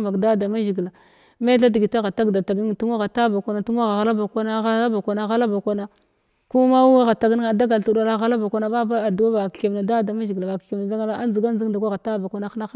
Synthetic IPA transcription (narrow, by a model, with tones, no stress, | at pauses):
ma˨kda˦da˨ma˦ʒi˨ɡla˨ | me˦ɬa˦di˨ɡi˨ta˦ɣa˨ta˦ɡda˨ta˨ɡni˦ŋtu˦m˦a˦ɣa˨ta˦ba˨kʷa˦na˨tu˦m˦a˦ɣa˨ɣa˨la˦ba˨kʷa˦na˦ɣa˦la˦ba˨kʷa˨na˨˦ɣa˦la˦ba˨kʷa˦na˦ | ku˦ma˦wɣa˨ta˨ɡni˦ŋa˨da˦ɡa˨ltu˦da˦la˦ɣa˦la˦ba˨kʷa˦na˦ba˦ba˦a˨du˨wa˦a˨kke˨mna˨da˦da˨ma˦ʒi˨ɡla˨ba˨kke˨mna˨da˦ɡa˦a˦nzi˨ɡa˦n˦d͡zi˦ŋ˦da˨kʷa˦ɣa˨ta˦˨ba˨kʷa˦na˦xna˦